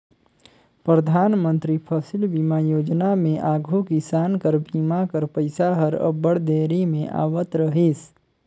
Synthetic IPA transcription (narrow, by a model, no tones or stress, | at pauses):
pɾəd̪ʱaːnmə̃nt̪ɾipʰəsɪlbimajoːd͡ʒnamẽʔaːɡʱukisaːnkəɾbʱiːmakəɾpəɪsaɦəɾə̰bəɽd̪eːɾimẽʔa̰ːwət̪ɾəɦis